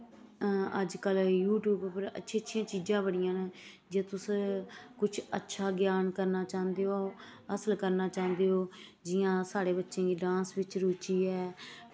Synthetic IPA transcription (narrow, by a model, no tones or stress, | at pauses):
əd͡ʒkəljuːʈjuːbpəɾə̰tːʃʰẽːətːʃʰjãːt͡ʃiːd͡ʒãːbəɽɪjãːn | d͡ʒeːt̪ʊskʊt͡ʃʰətːʃʰaːɡjaːnkəɾnaːt͡ʃaːnd̪eːoːəsəlkəɾnaːt͡ʃãːnd̪eːɦoːd͡ʒɪjãːsaːɽeːbətːʃẽːɡiːɖãːnsʋɪt͡ʃɾuːt͡ʃiːɛː